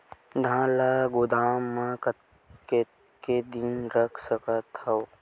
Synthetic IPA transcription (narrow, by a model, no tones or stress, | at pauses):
d̪ʱãːlaɡʊd̪aːmːəkət̪ | ke | ked̪inɾəkʰsəkət̪həw